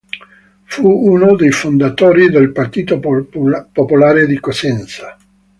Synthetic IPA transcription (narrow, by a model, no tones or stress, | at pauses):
fuunod̪ejfond̪at̪oːɾid̪elpart̪iːt̪o | popolaːɾed̪ikosɛnt̪sḁ